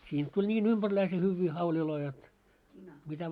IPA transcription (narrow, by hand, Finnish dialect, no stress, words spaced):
siːnt tulʲ nʲiːn ymb̥ærlæise hyʋːiː hɑuliloi jot mitæ